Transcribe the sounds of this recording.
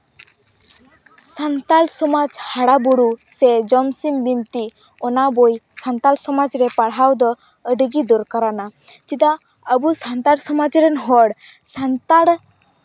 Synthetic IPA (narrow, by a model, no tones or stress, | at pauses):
sant̪alsɔmad͡ʒhaɽabuɾusɛd͡ʒɔmsimbimt̪i | ɔnabojsant̪alsɔmad͡ʒɾɛpaɽawd̪ɔ | əɖiɡid̪ɔɾkaɾanad͡ʒid̪a | əbusant̪aɽsɔmad͡ʒɾɛnɦɔɽ | sant̪aɽ